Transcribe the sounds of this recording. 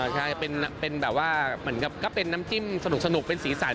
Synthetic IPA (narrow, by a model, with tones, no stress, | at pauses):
t͡ɕʰa˥˩jpe˧nːa˦˥pe˧nbɛː˨˩p̚waː˥˩mɯ˩˦ənka˨˩p̚kɔː˥˩pe˧nːaː˦˥mt͡ɕi˥˩msa˧nu˨˩k̚sa˧nu˨˩k̚pe˧nsiː˩˦saː˨˩˦